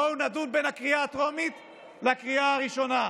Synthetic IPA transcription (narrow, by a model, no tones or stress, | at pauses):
ownadulbenhakʁijat̪ʁomit̪ | lakʁiaaʁiʃo̞na